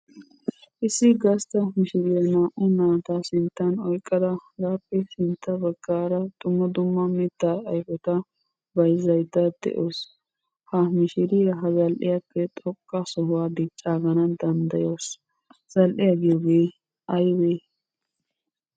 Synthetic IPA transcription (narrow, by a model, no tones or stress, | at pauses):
ʔɪsːɪɡɐst̪ɐmɪʃɪɾɪjɐnaːʔʊnaːt̪ɐsɪnt̪ːɐnɔjkʼːɐd̪ɐɡaːpːɛsɪnt̪ːɐbɐɡːaːɾɐt̪ʼʊmːɔd̪ʊmːɐmɪt̪ːaːɐjfɔt̪ɐ | bɐjzɐjd̪ɐd̪̥ɛ̰ʔos | hɐmɪʃɪɾɪɐɦɐzɐlʔɪ̰jɐpːɛt̪ʼɔkʼːɐsɔhʊwaːd̪ɪt͡ʃʼːaːɡɐnɐd̪ɐnd̪ɐjoːs | z̥ɐlʔɪjɐɡɪjoːɡeː | ʔɐjweː